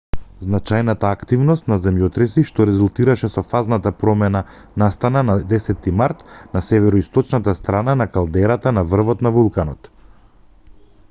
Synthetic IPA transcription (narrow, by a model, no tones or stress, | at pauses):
znat͡ʃajnat̪aːkt̪ivnɔst̪nazɛmjɔt̪ɾɛsiʃt̪ɔɾɛzulˠt̪iɾaʃɛsɔfaznat̪apɾɔmɛna | nast̪ananad̪ɛsɛt̪ːimaɾt̪nasɛvɛɾɔist̪ɔt͡ʃnat̪ast̪ɾananakalˠd̪ɛɾat̪anavr̩vɔt̪navulˠkanɔt̪